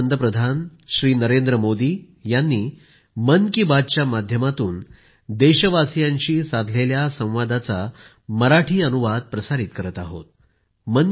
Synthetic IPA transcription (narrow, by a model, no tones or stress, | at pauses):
nd̪əpɾəd̪ʱanɕɾiːnəɾend̪ɾəmod̪iː | janːiː | mənkibad̪̚t͡ɕjamad̪ʱjəmat̪uːn | d̪eɕəʋasijãɲt͡ɕiːsad̪ʱleljasə̃w̃ʋad̪at͡sa | məɾaʈʰiːənuʋad̪̚pɾəsaɾit̪kəɾət̪aɦo̰t̪̚ | mən